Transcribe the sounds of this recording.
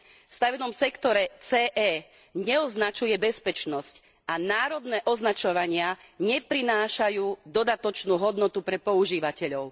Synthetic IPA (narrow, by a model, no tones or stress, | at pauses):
fst̪aʋɛnɔmsɛkt̪ɔɾɛt͡sɛːʔɛː | ɲɛɔznat͡ʃujɛbɛspɛt͡ʃnɔsc | anaːɾɔd̪nɛːʔɔznat͡ʃɔʋaɲɪaɲɛpɾinaːʃajuːd̪ɔd̪at̪ɔt͡ʃnuːɦɔd̪nɔt̪upɾɛpɔuʒiːʋacɛʎɔʊ